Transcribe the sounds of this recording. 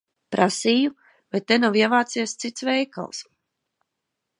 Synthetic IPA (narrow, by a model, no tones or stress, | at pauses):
pɾʔasiːju | vajt̪ːenawiɛvaːt̪siɛst̪sit̪svɛjka̰lˠs